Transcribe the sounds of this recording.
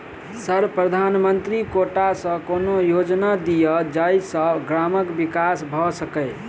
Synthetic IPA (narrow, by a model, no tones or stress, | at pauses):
səɾpɾəd̪ʱanmənt̪ɾikoʈasə̃konojod͡ʒnad̪ijəd͡ʒajsə̃ɡɾaməkbikasbʱɔsəkəɪ